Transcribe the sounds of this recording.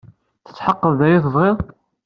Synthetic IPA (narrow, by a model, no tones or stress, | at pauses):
θə̥t͡sːħɑqːəððæjiθəvˤʁeðˤ